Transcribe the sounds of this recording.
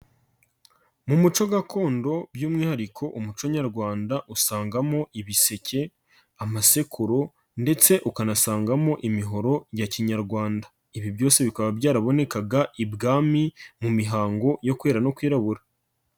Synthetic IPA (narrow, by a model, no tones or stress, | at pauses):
mumut͡ʃo̞ɡako̞ːndo̞bjuːmŋiːhaɾikʰo̞ʔumut͡ʃoɲaɾɡwaːndaʔusaːŋɡamo̞ʔiβise̞cʰe̞ | amase̞kʰuɾo̞ | nde̞t͡se̞ʔukanasaːŋɡamo̞ʔimiɦo̞ɾo̞jaciɲaɾɡwaːndḁ | iβibjo̞ːse̞βikaβabɟaːɾaβo̞ne̞kaɡaʔibɡaːmimumiɦaːŋɡo̞jo̞kwe̞ːɾano̞kwiːɾaβuɾa